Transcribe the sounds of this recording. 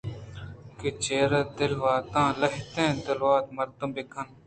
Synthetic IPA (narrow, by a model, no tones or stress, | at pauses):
kit͡ɕeːɾɐd̪ɪlʋaːt̪ãːlɐɦt̪ẽːd̪ɪlwaːt̪mɐɾt̪ũmbekʰɐn